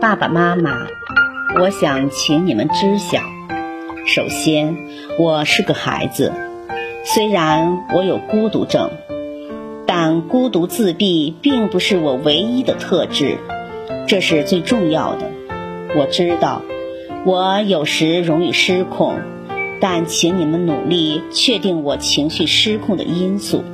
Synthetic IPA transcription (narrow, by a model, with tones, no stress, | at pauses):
pa˥˩pa̰˨˩ma˥ma̰˨˩ | wɔ˧˥ɕjɑ˨˩ŋt͡ɕʰi˧˥ŋni˨˩mə˦nʈ͡ʂɻ̩˥ɕjɑ̰˨˩˦ŋ | ʂo˨˩ʊɕjɛ˥n | wɔ˨˩ʂɻ̩˥˩ɡə˩xa̰˧˥ɪd͡zɹ̩̰˧ | swe˥ɪɻa˧˥nwʔɔ˧˥jo˨˩ʊku˥t̪ṵ˧˥ʈ͡ʂɤ̰˥˩ŋ | t̪a˥˩nku˥t̪u˧˥t͡sɹ̩˥˧pi˥˧pi˥˩ŋpu˧˥ʂɻ̩˥˩wɔ˨˩we˧˥ɪi˥d̪ə˨t̪ʰɤ˥˧ʈ͡ʂɻ̩˥˩ | ʈ͡ʂɤ˥˧ʂɻ̩˥˧t͡swe˥˧ɪʈ͡ʂʊ˥˧ŋjɑ˥˩ʊd̪ə̰˩ | wɔ˨˩ʈ͡ʂɻ̩˥t̪ɑ˥˩ʊ | wɔ˧˥jo˨˩ʊʂɻ̩˧˥ɻʊ˧˥ŋi˥˩ʂɻ̩˥kʰʊ˥˩ŋ | t̪a˥˩nt͡ɕʰi˧˥ŋni˨˩mə˧˦nnṵ˨˩li˥˩t͡ɕʰɥɛ˥˧t̪i˥˩ŋwɔ˨˩t͡ɕʰi˧˥ŋɕy˥˩ʂɻ̩˥kʰʊ˥˩ŋd̪ə̰˩i˥nsṵ˥˩